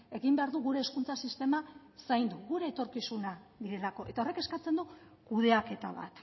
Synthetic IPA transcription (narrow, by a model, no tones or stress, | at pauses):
e̞ɣimbe̞aɾðuɣuɾe̞ːskunt͡sasist̪e̞ma | sajnd̪uɣuɾe̞ːt̪o̞ɾkisunaðiɾe̞lako̞ʔe̞t̪ao̞re̞ke̞skat͡se̞nd̪u | kuð̞e̞ake̞t̪a̰βa̰t̪